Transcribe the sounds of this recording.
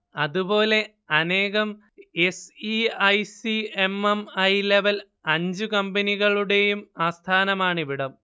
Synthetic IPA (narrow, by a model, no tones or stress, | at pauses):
ɐðubo̞ːle̞ | ɐneːɣɐm | esiɐjsiemɐmɐjle̞ʋɐl | ɐɲd͡ʑukɐmbɐniɣɐɭuɽe̞jumaːst̪ʰaːnɐmaːɳɨʋiɽɐm